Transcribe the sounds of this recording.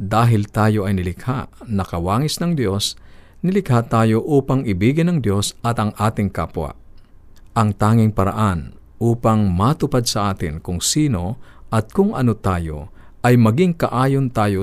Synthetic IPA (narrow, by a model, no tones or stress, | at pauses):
d̪aːɦɪlt̪aːjo̞ʔɐjnɪlɪkhaʔnɐkɐwaːŋɪsnɐŋd̪jo̞s | nɪlɪkhat̪aːjo̞ʔuːpɐŋɪbiːɡɪnɐŋd̪jo̞sɐt̪ɐŋʔaːt̪ɪŋka̰ːpwɐ̰ | ʔɐŋt̪aːŋɪŋpɐɾa̰ʔan | uːpɐŋmat̪ʊpad̪̚sɐʔaːt̪ɪ̰nkʊŋsiːno̞ʔɐt̪̚kʊŋʔɐ̰not̪aːjo̞̰ʔɐjmɐɡɪŋkɐʔaːjont̪aːjo